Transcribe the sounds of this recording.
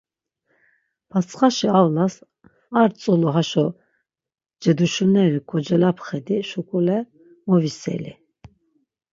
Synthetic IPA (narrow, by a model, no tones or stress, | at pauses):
pʰat͡sʰʼχaʃiavnas | aɾt͡sʼuluɦaʃɔ | d͡ʒɛd̪uʃunɛɾikʰɔd͡ʒɛlapʰχɛd̪iʃukʼulɛ | mɔvisɛ̰lḭ